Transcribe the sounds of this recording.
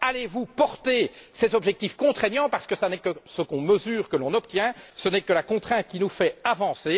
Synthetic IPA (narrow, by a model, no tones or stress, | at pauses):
alevupɔʁt̪esɛzɔbʒɛk̚t̪ifkɔ̃t̪χɛɲjɑ̃paʁsə̥kəsanɛkəsəkɔ̃məzyːʁkəlɔ̃nɔpt̪jɛ̃sənɛkəlakɔ̃t̪χɛ̃t̪̚kʲinufɛavɑ̃se